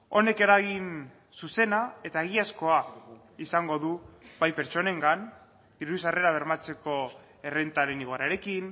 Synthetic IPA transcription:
o̞ne̞ke̞ɾaɣin | suse̞nae̞t̪aeɣ̞iasko̞a | isaŋɡo̞ðuβajpe̞ɾt͡ʃo̞ne̞ŋɡan | d̪̥iɾus̬are̞ɾaβ̞e̞ɾmat͡se̞ko̞ | e̞re̞nt̪aɾe̞niɣoaɾaɾe̞kin

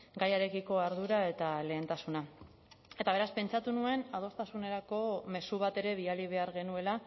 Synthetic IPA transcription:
ɡajaɾe̞kiko̞aɾð̞uɾae̞t̪ale̞ːnt̪asuna | e̞t̪aβe̞ɾaspe̞nt͡ʃat̪unue̞nað̞o̞st̪asune̞ɾako̞me̞suβat̪e̞ɾe̞β̞ialiβ̞e̞aɾɣe̞nue̞la

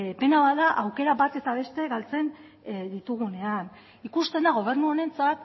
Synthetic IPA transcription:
pe̞naβaðaʔawke̞ɾabat̪e̞t̪aβ̞e̞st̪e̞ɣalt͡se̞n | d̪it̪uɣ̞une̞an | ikust̪e̞nd̪aɣ̞o̞β̞e̞ɾnuoɾe̞nt͡sat̪̚

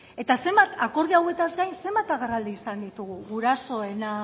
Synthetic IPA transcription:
e̞t̪ase̞mbat̪ako̞ɾð̞eawe̞t̪azɡajnse̞mbat̪aɣeɾald̪iːsand̪it̪uɣ̞uɣuɾaso̞e̞na

